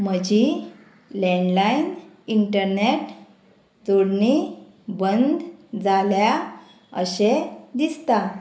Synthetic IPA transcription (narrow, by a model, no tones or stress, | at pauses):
məd͡ʑi | lɛɳɖlainiɳʈəɾneʈ | d͡zoɽni | bənd̪d͡zalja | ə̰ɕed̪ist̪a